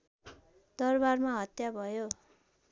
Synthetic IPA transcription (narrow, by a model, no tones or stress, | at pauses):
d̪ʌrbarmaɦʌt̪jabʱʌjo